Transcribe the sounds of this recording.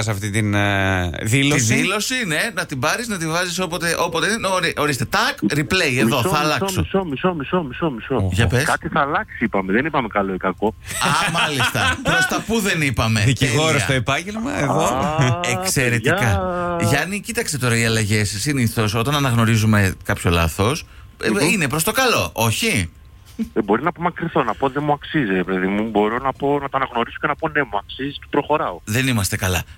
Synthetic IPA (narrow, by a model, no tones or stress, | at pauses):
s̬ɐft̪it̪in | ðilossiilo̞sine̞nɐt̪ibɐɾiznɐt̪ivɐziso̞po̞t̪eʔo̞pot̪enenɾiʔoɾist̪e̞t̪ɐkɾiple̞jeððo̞θɐːlɐksosomisomisomisomisoʝɐpeskɐt̪iθɐːlɐksiipɐmeðenipɐmekɐloikɐko̞ | ɐmɐlist̪ɐppɾost̪ɐpuðe̞nipɐme̞ðiciɣo̞ɾosɐt̪oepɐɲɟelmɐeðoekseɾe̞ikɐʝɐnicit̪ɐkst̪e̞t̪o̞ɾɐiɐlɐʝe̞sːiniθo̞so̞t̪ɐnɐnɐɣno̞ɾizume̞kɐpço̞lɐ̰θo̞s | ine̞pɾo̞st̪o̞kɐlo̞ʔo̞çi | bo̞ɾinɐpo̞mɐkɾiθo̞nɐpoðemuɐksizɾepeðimubo̞ɾo̞nɐpo̞nɐt̪onɐɣno̞ɾiso̞cenɐpo̞nemuɐksizist̪e̥pɾo̞xo̞ɾɐoðe̞nimɐst̪e̞kɐlɐ